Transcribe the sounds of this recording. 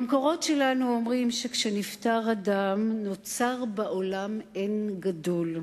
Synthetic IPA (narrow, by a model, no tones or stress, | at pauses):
amkoʁo̞tʃelanuomʁimʃekʃeniftaʁadamno̞t͡saʁbaʔolamenɡadol